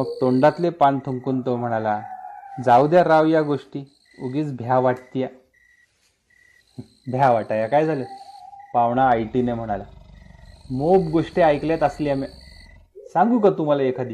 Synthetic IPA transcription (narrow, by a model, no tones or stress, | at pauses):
məɡ̚t̪oɳɖat̪lepant̪ʰəŋkuːnt̪om̤əɽ̃alad͡zawd̪jaɾaʋjaɡoʂʈiː | uɡiːt͡sbʱjaʋaʈt̪ija | bʱjaʋaʈajakajd͡zʱalepaʋɳ̃aːjʈinem̤əɽ̃ala | mobɡoʂʈeajkljat̪əsliama | sãŋɡuːkat̪um̤alaekʰad̪i